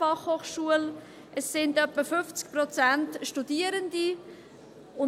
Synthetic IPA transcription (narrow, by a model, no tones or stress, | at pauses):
ɑχhoːχʃuəl | ʔəsːɪndœpːəfʏft͡skprɔt͡sæntʃtudiəɾəndi | ʊ